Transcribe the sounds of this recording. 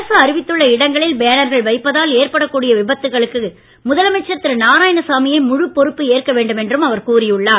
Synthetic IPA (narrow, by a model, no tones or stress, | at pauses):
ɐsɯɐɾɪʋɪt̪ːɯɭːɐɪɽɐŋɡɐɭɪlbejnɐɾɣɐɭʋɐɪpːɐðaːleːrpɐɽɐkːuːɽɪjɐʋɪbɐt̪ːɯɣɐɭɯkːɯ | mʊðɐlɐmɛt͡ʃːɐt̪ːɪɾnaːɾaːjɐnɐsaːmɪjɐɪmʊɻɯpːɔɾɯpːɯeːrkɐʋeːɳɖɯmɛndrɯmɐʋɐɾkuːrɪjɯɭːaː